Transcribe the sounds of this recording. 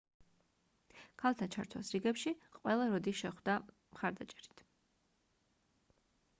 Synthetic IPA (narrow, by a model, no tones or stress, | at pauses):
kʰalˠt̪ʰat͡ʃʰaɾt̪ʰwa̰sɾiɡɛpʃiqʼwɛlˠaɾɔd̪iʃɛχwd̪a | mχaɾd̪at͡ʃʼɛɾit̪ʰ